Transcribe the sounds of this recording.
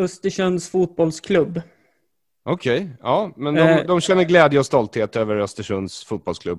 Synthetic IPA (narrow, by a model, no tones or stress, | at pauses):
œst̪əʂɵnsfuːt̪̚bɔlskʰlɵbː | ʔɔkʰɛjɑːmɛnd̪ɔmd̪ɔmɕɛnːəɾɡlɛːd̪jəɔst̪ɔlt̪heːt̪øːvəɾœst̪əʂɵnsfuːt̪̚bɔlskʰlɵb